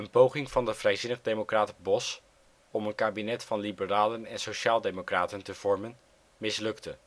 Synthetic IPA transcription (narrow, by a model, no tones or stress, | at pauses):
ənpowχɪŋvɑndəvrɛjzɪnəχdejmowkraːtbɔs | ɔmənkaːbinɛtfɑnlibəraːlənɛnsowʃaːlˠdejmokraːtəntəv̥ɔɹmən | mɪslɵktə